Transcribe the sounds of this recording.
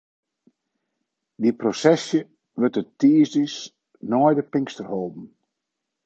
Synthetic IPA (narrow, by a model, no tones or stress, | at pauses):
diprosɛsjə | ʋøtətiːzdis | nɔjdəpɪŋkstərhoːlˠdn̩